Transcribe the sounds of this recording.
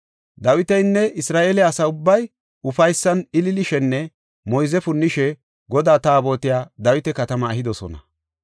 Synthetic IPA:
d̪ɐwɪt̪ɛjnːɛʔɪsɾaːʔeːlɛɐsɐʊbːɐj | ʊfɐjsːɐnɪlɪlɪʃɛnːɛ | mɔjzɛfʊnːɪʃɛ | ɡɔd̪aːt̪aːbo̞ːt̪ɪjaːd̪ɐwɪt̪ɛkɐt̪ɐmɐːhɪd̪ɔsɔ̰nɐ̰

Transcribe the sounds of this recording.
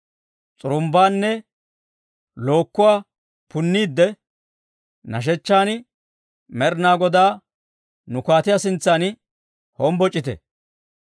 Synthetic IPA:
t͡sʼʊɾʊmbaːnːɛ | lo̞ːkːʊwaː | pʊnːiːd̪ːɛ | nɐ̰ʃ̬ɛt͡ʃːaːn | mɛɾnaːɡɔd̪aː | nʊkaːt̪ɪjasɪnt͡sːaːn | hɔmbɔt͡ʃʼːɪt̪ɛ̰

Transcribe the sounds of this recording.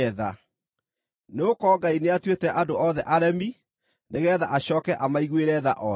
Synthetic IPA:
ɛða | neokɔːɡaineatwetɛʔadoɔðɛʔaɾɛmi | neɣɛða̰ʔaɕɔːkɛʔamaiɣweɾɛða̰ʔɔ

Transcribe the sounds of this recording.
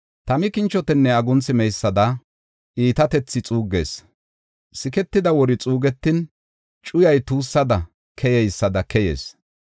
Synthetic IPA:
t̪ɐmɪkɪnt͡ʃːɔt̪ɛnːɛɐɡʊnt͡sɪmɛjsːɐd̪ɐ | ʔiːt̪ɐt̪ɛt͡sːɪt͡sʼuːɡːeːs | sɪkɛt̪ːɪd̪ɐwɔɾɪt͡sʼuːɡɛt̪ːɪn | t͡ʃʼʊjɐjt̪uːsːɐd̪ɐ | kʰɛjɛjsːɐd̪ɐkɛjḛːs

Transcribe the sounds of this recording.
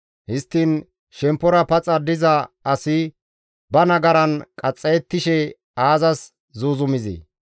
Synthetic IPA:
hɪst̪ːiːn | ʃɛmpːɔɾɐpɐt͡sʼɐd̪ɪzɐɐsɪ | bɐnɐɡɐɾɐnkʼɐt͡sʼːɛjɛt̪ːɪʃɛ | aːzɐs | zuːzʊmɪzḭ

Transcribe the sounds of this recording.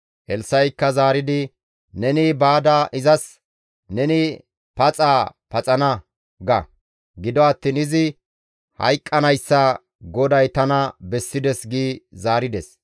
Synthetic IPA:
ʔɛlsɐjkːɐzaːɾɪd̪ɪ | nɛnɪbaːd̪ɐʔɪzɐs | nɛnɪ | pɐt͡sʼaːpɐt͡sʼɐnɐ | ɡɐ | ɡɪd̪ɔɐt̪ːiːnɪzɪ | hɐ̰jkʼːɐnɐjsːɐ | ɡɔd̪ɐjt̪ɐnɐbɛsːɪd̪ɛsɡiːzaːɾɪd̪ɛs

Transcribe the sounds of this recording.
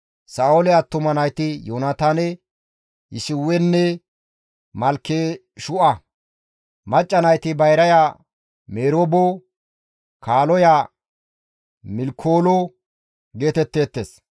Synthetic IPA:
saːolɛɐt̪ːʊmɐnɐjt̪ɪjonat̪aːnɛ | ɪ̰sɪwːɛnːɛ | mɐlkːe | ʃʊʔɐ | mɐt͡ʃʼːɐnɐjt̪ɪbɐjɾɐjaː | meːɾoːbo | kaːlɔjaː | mɪlkʰːoːlɔ | ɡe̞ːt̪ɛt̪ːe̞ːt̪ːeːs

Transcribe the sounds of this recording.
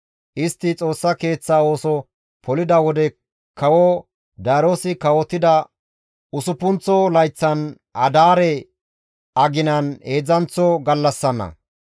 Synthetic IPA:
ʔɪst̪ːɪt͡sʼo̞ːsːɐke̞ːt͡sːaːo̞ːsɔ | pɔlɪd̪ɐwɔd̪ɛ | kɐwɔ | d̪ɐːɾoːsɪkɐwɔt̪ːɪd̪ɐ | ʊsʊpːʊnt͡sːɔlɐjt͡sːɐn | ʔɐd̪aːɾɛ | ʔɐɡɪnɐneːd͡zɐnt͡sːɔɡɐlːɐsːɐnːɐ̰

